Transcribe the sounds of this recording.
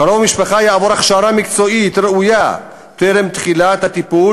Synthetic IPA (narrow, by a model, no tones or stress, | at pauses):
kaɾovmiʃpaχajaavoɾaχʃaɾamikt͡so̞it̪ɾeuja | t̪eɾemt̪χilat̪hat̪ipul